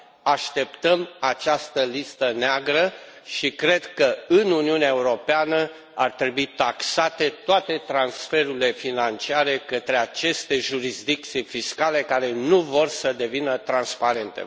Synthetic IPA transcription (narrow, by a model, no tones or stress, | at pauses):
aʃt̪e̞pt̪əmat͡ʃast̪əlist̪əneaɡɾə | ʃikɾe̞d̪kəɨnuniuneaeuɾo̞peanə | art̪ɾe̞buit̪aksat̪e̞t̪oat̪e̞t̪ɾansfe̞ɾuile̞finant͡ʃiaɾe̞kət̪ɾe̞at͡ʃe̞st̪e̞ʒuɾisd̪ik̚t̪sijfiskale̞kaɾe̞nuvo̞rsəd̪e̞vinət̪ɾanspaɾe̞nt̪ḛ